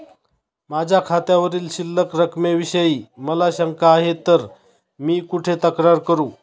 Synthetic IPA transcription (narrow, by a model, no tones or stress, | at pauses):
mad͡ʑʱjakʰat̪jaʋəɾiːlɕilːəkɾəkʰmeʋiɕəjiːməlaɕəŋkaːɦet̪əɾ | miːkuʈʰet̪əkɾaɾkəɾuː